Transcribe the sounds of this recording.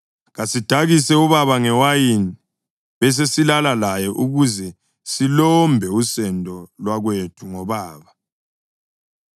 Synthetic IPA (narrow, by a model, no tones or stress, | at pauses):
ɣasid̥ʱaɣisɛuβaβaŋɛwajini | βɛs̬esilalalajɛʔuɣuzɛ | silɔmbʱɛusɛndʱʼɔlwaɣwetʰuŋɔβaːβa